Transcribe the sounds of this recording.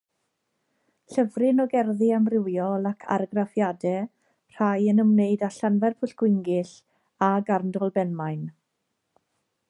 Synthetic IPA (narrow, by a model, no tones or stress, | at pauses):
ɬəvrɪnɔɡɛrðɨamrɪwjɔlˠakʰa̰rɡrafjadɛ | r̥ajənəmneɨdaɬanvɛrpʰʊɬɡ̥wɪŋɡɪɬ | aɡarndɔlˠbɛnmajn